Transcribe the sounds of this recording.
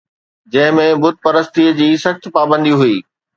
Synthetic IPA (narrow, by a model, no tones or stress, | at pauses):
d͡ʑɐ̃ɦɪ̃mẽbʊt̪̚pɐɾəst̪id͡ʑiːsɐxt̪paːbə̃nd̪iɦuiː